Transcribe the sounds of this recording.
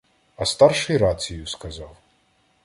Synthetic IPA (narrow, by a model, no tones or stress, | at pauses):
ɐst̪ɑrʂɨjɾat͡sʲijʊskɐzɑw